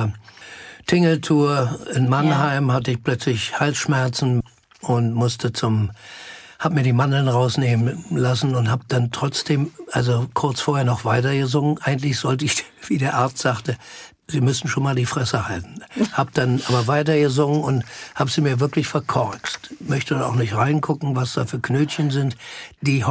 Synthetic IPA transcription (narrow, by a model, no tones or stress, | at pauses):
ɐ | tʰɪŋl̩tʰuːɐɪnmanɦaɪmhatəɪçpl̥œt͡slɪçhalsʃmɛɐt͡sn̩ | ʔʊntmʊstət͡sʊm | haːbəmiːɐdiːmanl̩nʁaʊsneːmənlasn̩ʊnthaːb̚d̥antʁ̥ɔt͡sd̥eːmʔalzokʰʊɐt͡sfoːɐheːɐnɔχv̥aɪtɐɡəzʊŋənʔaɪɡn̩tlɪçz̥ɔltəɪç̥v̥iːdeːɐʔaɐt͡stz̥aːχtə | ziːmʏsn̩ʃoːnmaːldiːfʁ̥ɛsəhaltn̩haːbəd̥anʔaːbɐvaɪt̬ɐɡəzʊŋənʊnthaːbəziːmiːɐvɪɐklɪçfɛɐkʰɔʁt͡stmœçtədaa̰ʊxnɪçtʁaɪnkʰʊkŋ̩vasd̥aːfyːɐkʰnøːtçənzɪntd̥iːh